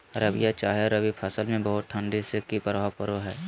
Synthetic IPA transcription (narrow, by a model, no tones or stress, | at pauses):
ɾəbijat͡ʃaːɦeɾəbipʰəsəlmẽbɐɦʊt̪̚ʈʰə̃ɳɖisɪkipəɾʋaːpəɾoɦɛː